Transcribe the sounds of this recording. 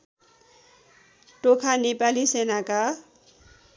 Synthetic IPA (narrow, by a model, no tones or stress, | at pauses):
ʈokʰanepalisenaka